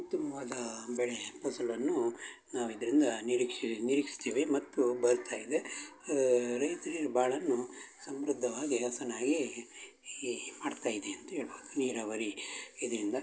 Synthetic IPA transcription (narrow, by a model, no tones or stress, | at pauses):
ut̪ːɐmɐʋaːd̪ɐbɛɭeposɐlɐnːunaːʋid̪ɐɾind̪ɐniɾikʂiniɾiːkist̪iːʋimɐt̪ːubɐɾt̪ʰaːjid̪e | ɾɐjt̪ɐɾiɾɐbaːɭɐnːusɐmɾud̪ʱːɐʋaːɡiɐsɐnaːɡi | maːɖt̪aːjid̪eɐnt̪uɦeːɭuniːɾaːʋɐɾiid̪ɐɾind̪ɐ